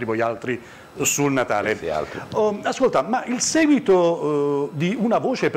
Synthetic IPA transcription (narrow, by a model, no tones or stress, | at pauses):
ɾivojalt̪ɾi | sulnat̪a̰ːlea̰askolt̪amaʔilsɛːɡwit̪o | d̪iunavoːt͡ʃep